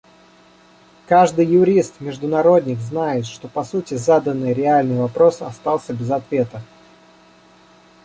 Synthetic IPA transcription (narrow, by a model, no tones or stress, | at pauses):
kaʐd̪ɨjːʊɾʲist̪mʲɪʐd̪ʊnɐɾo̞d̪ʲnʲɪkznajɪt̪ʂt̪o̞pɐsutʲɪzad̪ənːɨjɾʲɪalʲnɨjvɐpɾo̞sɐst̪alˠsʲəbʲɪzɐt̪vʲe̞t̪ə